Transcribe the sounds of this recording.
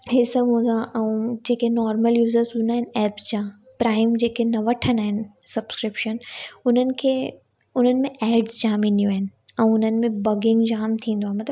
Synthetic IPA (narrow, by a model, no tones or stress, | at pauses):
ɦesɐbʱɦũːnd̪ãʔɛ̃ũd͡ʑeːkenɔːɾməljuːzəɾsɦũːnd̪aːɦɪ̃nɪ̆ɛːpsd͡ʑãː | pɾaːɪmd͡ʑeːkenɐʋɐʈʰənaːɦɪnɪ̆sɐbskɾɪpʃənʊn̤ənɪ̆kʰeː | ʊn̤ənɪ̆mẽʔɛːɖz̥d͡ʑaːmĩnd̪ijũaːɦɪnɪ̆ɛ̃ːʊn̤ənɪ̆mẽbɐɡɪ̃ŋɡd͡ʑaːmt̪ʰĩːn̆d̪oaːnmɐt̪ləb